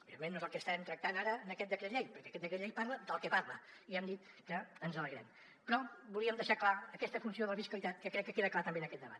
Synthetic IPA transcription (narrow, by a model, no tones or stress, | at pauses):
uβiemẽnːoezəlˠkəst̪aɛmt̪ɾək̚t̪anaɾəːnəkɛt̪̚d̪əkɾəʎɛjpəɾkɛəkɛt̪̚d̪əkɾəʎɛjpaɾləd̪əlˠkɛpaɾlə | iɛmd̪it̪ | kəənzələɣɾɛ̰m | pɾɔbulˠiəmd̪əʃaklaəkɛst̪əfunsioðələfiskəlˠit̪at̪̚kəkɾɛkːəkeðəklat̪əmbenəkɛt̪d̪əβa̰t̪